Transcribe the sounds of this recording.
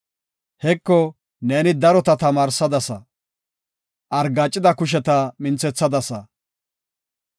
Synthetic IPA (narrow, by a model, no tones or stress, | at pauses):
hɛkːɔ | neːnɪd̪ɐɾɔt̪ɐt̪ɐmaːɾsɐd̪ɐsɐ | ʔɐɾɡaːt͡ʃʼːɪd̪ɐkʊʃ̬ɛt̪ɐmɪnt͡sɛt͡sːɐd̪ɐsɐ